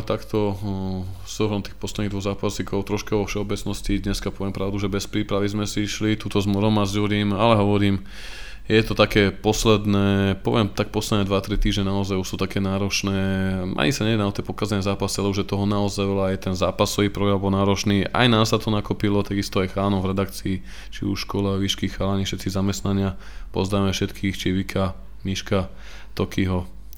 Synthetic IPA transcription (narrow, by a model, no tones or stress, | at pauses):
t̪akt̪ɔ | sɔɦɾɔmt̪iːxpɔslɛd̪niɣd̪ʋɔɣzaːpasikʰɔʊt̪ɾɔʃkaɔfʃɛɔbɛt͡snɔscid̪ɲɛskapɔʋɪɛmpɾaʊd̪uʒɛbɛspɾiːpɾaʋizmɛsiʃlit̪uːt̪ɔzmɔɾɔmazd͡ʒuɾiːmalɛɦɔʋɔɾiːm | jɛt̪ɔt̪akɛːpɔslɛd̪nɛːpɔʋɪɛmt̪ak̚pɔslɛd̪nɛːd̪ʋat̪ɾit̪iːʒɲɛnaɔzajuʃsuːt̪akɛːnaːɾɔt͡ʃnɛːmʔa̰ɲisaɲɛɛnaɔt̪ɛpɔkazɛnɛzaːpasialɛbɔʒɛt̪ɔɦɔnaɔzajʋɛlajɛt̪ɛnzaːpasɔʋiːpɾɔɡɾambɔlnaːɾɔt͡ʃniːʔa̰jnaːsat̪ɔnakupilɔt̪aɡist̪ɔajxaːnɔvɾɛd̪akt͡siː | t͡ʃḭuʃʃkɔlaʋiʃkixxalaɲiʃɛt̪̚t͡sizamɛst̪naɲɪa | pɔ̰zd̪aːmɛfʃɛt̪kʰiːxt͡ʃiʋikʰa | miʃka | t̪ɔkiɦɔ